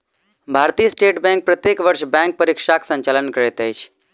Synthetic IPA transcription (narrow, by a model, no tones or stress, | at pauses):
bʱaːɾt̪ijəsʈeːʈbɛ̃ŋk̚pɾət̪jeːkʋəɾʃbɛ̃ŋk̚pəɾikʃaksə̃ɲt͡ʃaːlənkəɾet̪əjt͡ʃʰ